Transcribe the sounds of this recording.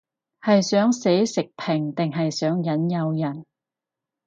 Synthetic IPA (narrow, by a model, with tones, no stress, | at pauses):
hɐ˨jsœː˨˥ŋse˨˥jsɪ˨k̚pʰɪ˨˩ŋt̪ɪ˨ŋɦɐ˨jsœː˨˥ŋjɐ˨˥njɐ˧wjɐ˨˩n